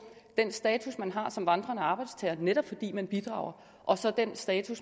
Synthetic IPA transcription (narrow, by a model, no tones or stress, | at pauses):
d̥en̰sd̥ɛːt͡sʰusmænɦɑ̈sɒ̽mʋɑ̈nd̥ʁɐnəɑ̈ːb̥ɑ̈ɪd̥st͡sʰɛːɐneɾ̥ɒ̽b̥fɒ̽d̥ḭːmænb̥id̥ʁɑ̰̈ʊɐ | ʔɒ̽sɒ̽d̥ensd̥ɛːt͡sʰus